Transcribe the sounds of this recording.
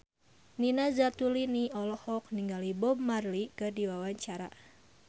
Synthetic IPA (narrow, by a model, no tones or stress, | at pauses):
ninazat̪uliniɔlɔhɔk̚niŋɡalibɔmːarlikərdiwawaɲt͡ʃaɾa̰